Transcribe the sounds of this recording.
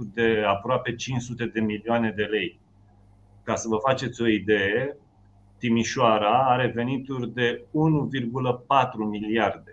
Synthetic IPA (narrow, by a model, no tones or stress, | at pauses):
rd̪e̞apɾoape̞t͡ʃint͡ʃsut̪e̞d̪e̞milioane̞d̪e̞le̞j | kasəvəfat͡ʃe̞t̪sʲo̞id̪e̞je | t̪imiʃoaɾaaɾe̞ve̞nit̪urʲd̪e̞unuvirɡuləpat̪ɾumiliard̪e̞